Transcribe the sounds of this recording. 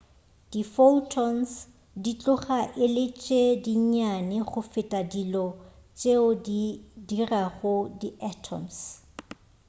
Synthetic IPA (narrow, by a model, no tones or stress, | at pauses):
d̥ifoltʰɔns | dit͡ɬʼʊχaʔɪlɪt͡ʃʼediɲanɪχʊfɪtʼadilɔ | t͡ʃʼeʊdidiraχʊdiʔatʰɔ̰ms